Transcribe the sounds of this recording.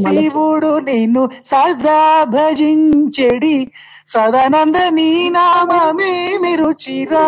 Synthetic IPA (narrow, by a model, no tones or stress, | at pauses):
siʋuɽuninusɐɾd̪ʱabʱɐd͡ʒiɲt͡ʃeɽi | sɐd̪ɐnɐnd̪ɐniːnamɐmemiɾut͡ʃiɾa